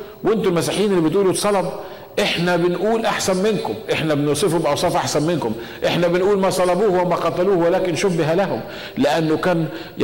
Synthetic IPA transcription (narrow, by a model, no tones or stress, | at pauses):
wʔɪnt̪ʊlmæsiːħjiːnelːibɪt̪ʔuːlusˤɑlɑb | ʔeħnæbɪnʔuːlʔaħsænmɪnkʊmʔeħnæbɪnusˤefobʔɑwsˤɑːfʔaħsænmɪnkʊm | ʔeħnæbɪnʔuːlmæsˤɑlɑbuːhwæmæqɑt̪æluːhwelæːkɪnʃobɪɦælæɦʊm | lɪʔænːʊkæːn